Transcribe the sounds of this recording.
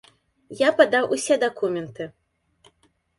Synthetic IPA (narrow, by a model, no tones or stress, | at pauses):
japad̪awʔusʲɛd̪akumʲɛnt̪ɨ